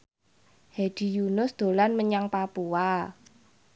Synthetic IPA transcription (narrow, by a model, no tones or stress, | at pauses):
hed̥i̤junʊsd̪̥o̤lanməɲaŋpapua